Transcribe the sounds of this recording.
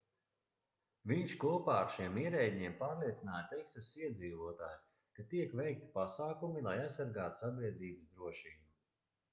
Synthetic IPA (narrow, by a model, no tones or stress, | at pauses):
viɲʃkuɔpaːaɾʃiɛmiɛɾɛjd̪ʲɲiɛmpaːɾlˠiɛt̪sinaːjat̪ɛksasiɛd̪ziːvuɔt̪a̰ːjs | kat̪iɛkvɛjk̚t̪i̥pasaːkumilˠajajsːaɾɡaːt̪u̥sabʲiɛd̪ɾiːbɨsd̪ɾuɔʃiːbu